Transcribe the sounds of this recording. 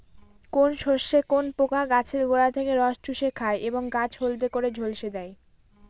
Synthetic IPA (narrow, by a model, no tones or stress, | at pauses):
konʃoʃːekonpokaɡat͡ɕʰeɾɡoɾat̪ʰekeɾɔʃʈuʃekʰaeʔeboŋɡat͡ɕʰɦolt̪̬ekoɾed͡ʑʱolʃed̪ɛe